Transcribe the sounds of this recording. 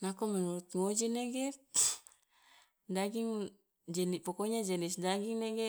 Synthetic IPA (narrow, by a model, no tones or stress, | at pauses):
nakomanot̪ŋod͡ʒineɡe | daɡiŋ | d͡ʒenipokoɲad͡ʒenisdaɡiŋneɡe